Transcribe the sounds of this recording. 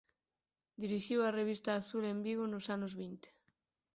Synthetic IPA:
d̪iɾiʃiwareβ̞ist̪aːθulembiɣonosanozβint̪e̥

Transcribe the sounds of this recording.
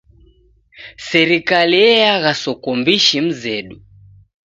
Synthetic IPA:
sɛɾikaliɛjaɣasɔkɔmbiʃim̩zɛɗu

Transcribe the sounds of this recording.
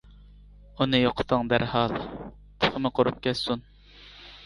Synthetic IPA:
unɨjoqʰʊ̥t̪ʰɨŋd̪æɾhɑlˠ | t̪ʰo̥χʰəmɨqʰoɾup̚kʲɛt̪sun

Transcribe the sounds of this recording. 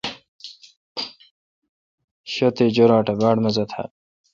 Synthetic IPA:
ɕot̪ed͡ʑoɾaːʈɐbaːɽmɐzɐt̪ʰa̰

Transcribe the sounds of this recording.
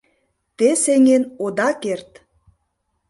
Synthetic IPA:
t̪eseŋenod̪ɑkert̪

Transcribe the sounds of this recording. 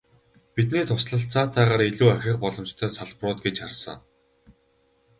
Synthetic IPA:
pit̪niːt̪ʰʊsɮə̆ɬt͡saːt̪ʰæːʁaːɾiɮuːæxʲɪ̆χpɔɮɞ̆mt͡ɕt̪ʰœːsaɮprʊːt̪̚ɡet͡ɕarsə̰̆ŋ

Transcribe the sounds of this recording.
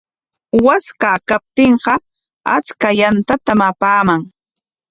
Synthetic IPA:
waskakap̚t̪ɪɴɢɑ | a̰t͡skajant̪at̪amapaːmaŋ

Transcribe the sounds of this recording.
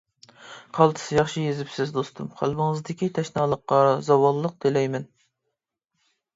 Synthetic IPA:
qʰɑlˠt̪ʰɨ̥sɨjɑχʃijezɪpsɪzd̪ost̪umχæ̰lˠbɨŋəzd̪ɪkʲit̪ʰɛʃnɑːlˠəqːɑzɑwɑllˠːəq̚d̪̥elɛjmɪn

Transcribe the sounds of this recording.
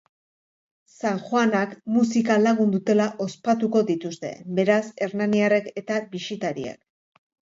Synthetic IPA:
saŋxwanakmusikalaɣ̞und̪ut̪e̞laʔo̞spat̪uko̞ðit̪ust̪e̞̰be̞ɾase̞ɾnaniareke̞t̪aβisit̪aɾia̰k

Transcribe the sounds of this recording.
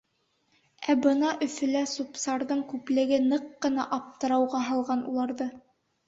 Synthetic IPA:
æbɤnɑʔɵ̆fɵ̆læsupsɑɾðɤɴkʉplɘ̆ɡɘnɤqːɤ̆nɑʔɑp̚t̪ɤ̆ɾɑwʁɑɦɑ̆lˠʁɑnṵlˠɑɾðɤ

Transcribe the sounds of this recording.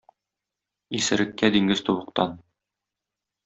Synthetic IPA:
isɘ̆ɾɘ̆kːæd̪iŋɡɘz̥t̪uβɤ̆q̚t̪ɑn

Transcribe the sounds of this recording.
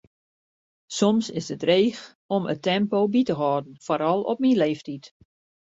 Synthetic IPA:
sɔmsɪsətreːx | ɔmə̰tɛmpobitəɦɔːdn̩foɾɔlˠɔ̰p̚minleːftit

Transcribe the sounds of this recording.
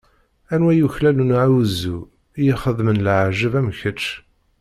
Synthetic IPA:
ænwæjuçlælunʕawuzu | jiχəðmənlʕʒəvæmçət͡ʃː

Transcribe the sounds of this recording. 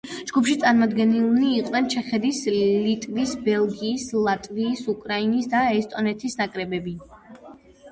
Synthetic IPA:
d͡ʒɡupʃit̪sʼaɾmɔd̪ɡɛnilniːqʼnɛnt͡ʃʰɛχɛd̪islit̪ʼvisbɛlˠɡiːslˠat̪ʼviːsukʼɾainisd̪aɛst̪ʼɔnɛt̪ʰisnakʼɾɛbɛbi

